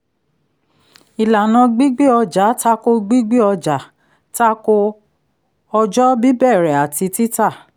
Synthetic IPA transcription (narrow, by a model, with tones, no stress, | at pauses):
i˨la˨nã˧ɡ͡bi˦ɡ͡be˦ɔ˧d͡ʒa˨˦ta˦ko˦ɡ͡bi˦ɡ͡be˦ɔ˧d͡ʒa˨ | ta˦ko˦ | ɔ˧d͡ʒɔ˦bi˦bɛ˦˨ɾɛ˨a˨ti˧ti˦ta˦˨